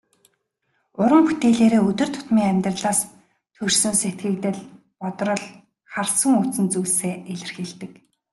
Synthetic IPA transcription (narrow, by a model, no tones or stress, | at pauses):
ʊɾə̆mput̪eːɮeːɾeːɵt̪ɵ̆r̥t̪ʰʊ̥t̪miːŋæmʲt̪rə̆ɮaːs | t̪ʰɵrsɵ̆nset̪̚ɡɘ̆k̚t̪ɘ̆ɮ | pɔt̪rɞ̆ɮ | χarsə̆ŋut͡sɘ̆nt͡suːɮseːeɮɘ̆rxeɮt̪ɘ̆k